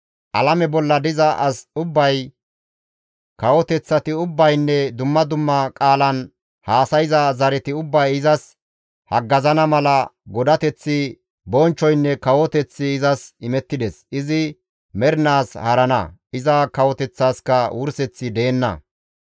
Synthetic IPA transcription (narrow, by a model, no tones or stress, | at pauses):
ʔɐlɐmɛbɔlːɐd̪ɪzɐʔɐsʊbːɐj | kɐwɔt̪ɛt͡sːɐt̪ɪʊbːɐjnːɛd̪ʊmːɐd̪ʊmːɐkʼaːlɐn | haːsɐjɪzɐzɐɾɛt̪ɪʊbːɐjɪzɐs | hɐɡːɐzɐnɐmɐlɐɡɔd̪ɐt̪ɛt͡sːɪ | bɔnt͡ʃːɔjnːɛkɐwɔt̪ɛt͡sːɪːzɐsɪmɛt̪ːɪd̪ɛsɪzɪ | mɛɾnaːshɐɾɐnɐ̰ʔɪzɐkɐwɔt̪ɛt͡sːaːskɐwʊɾsɛt͡sːɪd̪eːnːɐ̰